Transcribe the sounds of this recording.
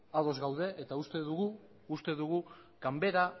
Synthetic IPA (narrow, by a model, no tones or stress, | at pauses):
aðo̞zɡawðe̞ʔet̪aust̪e̞ðuɣuː | st̪e̞ðuɣ̞u | kambe̞ɾa